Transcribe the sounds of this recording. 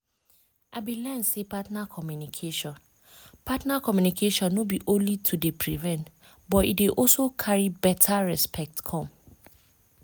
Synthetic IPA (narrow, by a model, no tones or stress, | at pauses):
ʔabilɛ̃nsepʰatnakʰɔmjunikʰeʃɔ̃n | pʰatnakʰɔmjunikʰeʃɔ̃nːobiʔõlitʰudepʰɹivɛ̃nt | bɔtḭdeʔɔsokʰaɹibɛtʰaɹɛspʰɛk̚tkʰɔ̃m